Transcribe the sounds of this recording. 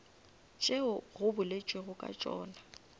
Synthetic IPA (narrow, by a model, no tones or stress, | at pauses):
t͡ʃʼeʊɣʊbʊlet͡ʃʼweɣʊkʼa̰t͡ʃʼɔ̰ːna